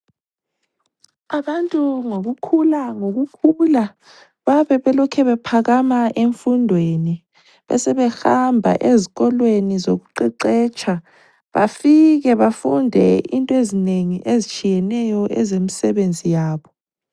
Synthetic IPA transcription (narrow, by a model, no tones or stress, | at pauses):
aɓantʼuŋok̬ukʰulaŋok̬ukʰula | ɓaɓɛɓɛlɔkʰɛβɛpʰak̬amaʔeɱfundʱweni | ɓɛ̰sɛɓɛxambʱa̰ʔeziɣ̬ɔlwenizok̬uǃiǃɛːt͡ʃʰa | ɓa̰fiɣ̬ɛβafundʱɛintʼɔezineŋiʔezit͡ʃʰijɛnɛjɔʔɛzemisɛɓend͡zʱijaːɓɔ